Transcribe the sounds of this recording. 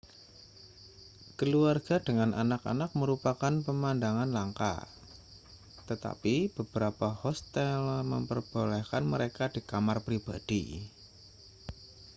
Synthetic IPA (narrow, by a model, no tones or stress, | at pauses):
kəluarɡ̥a̤dəŋanʔanaka̰nak̚məɾupakanpəmandaŋanlaŋka̰ | t̪ət̪a̰pib̥əb̥əɾapahɔst̪ɛlmə̰mpərb̥olɛhkanməɾekad̥ikamarpɾib̥ad̥ḭ